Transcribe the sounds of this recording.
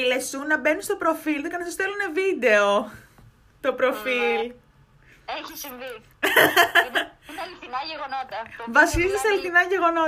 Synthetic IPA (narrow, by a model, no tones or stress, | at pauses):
ilesunɐbenist̪opɾofilðekɐnɐsost̪elunevid̪e̞o | t̪o̞pɾo̞fil | lɣvɐsizst̪isɐliθinɐʝeɣo̞no